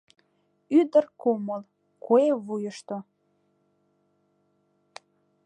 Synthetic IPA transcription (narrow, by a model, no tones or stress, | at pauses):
yd̪ərkoməl | koeβujəʃt̪o